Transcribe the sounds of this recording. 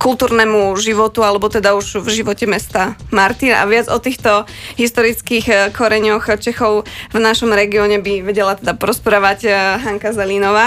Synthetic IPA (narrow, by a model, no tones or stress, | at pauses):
kulˠt̪uːɾnɛmuʒiʋɔt̪ualɛbɔt̪ɛd̪auʒvʒiʋɔcɛmɛst̪amaɾt̪ina̰ʋɪad͡zɔt̪iːxt̪ɔ | ɦist̪ɔɾit͡skixkʰɔɾɛɲɔxt͡ʃɛxɔʊvnaʃɔmɾɛɡiɔɲɛbiʋɛɟɛlat̪ɛd̪apɔɾɔspɾaːʋacɦaŋkazɛlinɔʋaː